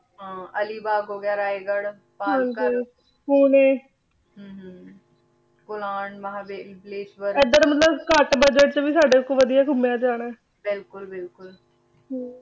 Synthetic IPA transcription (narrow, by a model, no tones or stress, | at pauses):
ɦãːəliːbaːɡɦoːɡaːɾaːeɡəɽ | paːkʊl | kuːneː | ɦːɦ | kʊlaːɳməɦaːbelpleːsʋəɾɪd̪əɾmət̪ləbkəʈbəd͡ʒəʈ̚t͡ʃəʋiːsaːɖeːkːoʋəd̪ijaːkʊmejãːd͡ʒaːɽ̃aː | bɪlkʊlbɪlkʊl | ɦaː